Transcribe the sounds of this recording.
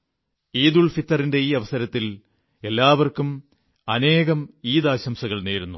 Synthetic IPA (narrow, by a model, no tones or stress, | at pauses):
iːðuɭfit̪ːɐrinde̞iːɐʋɐsɐɾɐt̪ːil | e̞lːaːʋɐrkum | ɐne̞ːɣɐmiːðaːɕɐmsɐɣɐɭne̞ːɾunːu